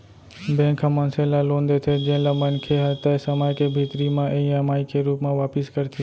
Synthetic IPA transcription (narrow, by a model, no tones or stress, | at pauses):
bẽːkʰãmãnselalõːnd̪et̪ʰed͡ʒẽlamənkʰeɦɐt̪asəmaːkebʱiːt̪ɾimãʔẽĩamaːikʰeɾuːpmãʋaːpɪskɐɾt̪ʰe